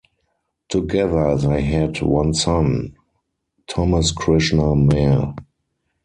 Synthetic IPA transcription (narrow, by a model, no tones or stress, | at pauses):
tʰuɡɛðə˞ðeɪɦɛdwãnsãn | tʰɔməskʰɹɪʃnəmɛ